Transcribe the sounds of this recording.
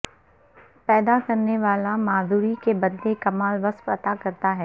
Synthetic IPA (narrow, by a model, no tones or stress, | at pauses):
pɛːd̪akɐɾneʋaːlamaːd̪uːɾikebɐd̪lekɐmaːlʋɐsfɐt̪akɐɾt̪aɦɛː